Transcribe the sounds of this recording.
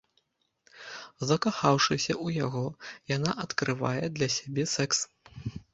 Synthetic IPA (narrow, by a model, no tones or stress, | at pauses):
zɐkaxawʂɨsʲɐʔujaɣɔjanaʔɐt̪kɾɨva̰jɛd̪lʲɐsʲabʲɛsɛks